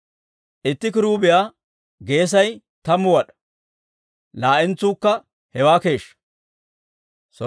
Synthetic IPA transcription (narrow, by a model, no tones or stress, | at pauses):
ʔɪt̪ːɪkɪɾuːbɪjaː | ɡe̞ːs̬ɐj | t̪ɐmːʊwɐɗɐ̥ | laːʔɪnt͡suːkːɐ | hɛwaːke̞ːʃɐ̥ | sɔ